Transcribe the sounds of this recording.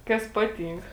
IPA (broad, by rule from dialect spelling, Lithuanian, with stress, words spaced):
ˈkɐs ˈpɑːˌtʲiːŋk